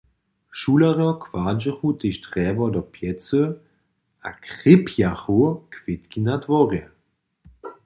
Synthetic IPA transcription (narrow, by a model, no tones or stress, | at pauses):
ʃulaʁjɔkv̥aːd͡ʒɛxut̪eʃdʁɛːvɔdɔpʰjɛt͡sə | ʔakʁɪpʰjaxukvɪt̪kinadvɔʁjɛ